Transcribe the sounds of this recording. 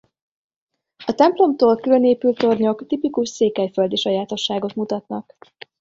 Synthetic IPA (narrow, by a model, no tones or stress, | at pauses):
ɒt̪ɛmplo̞mt̪oːlkylø̞neːpylt̪o̞rɲo̞kt̪ipikuʃseːkɛjfø̞ld̪iʃɒjaːt̪o̞ʃːaːɡo̞t̪mut̪ɒt̪nɒk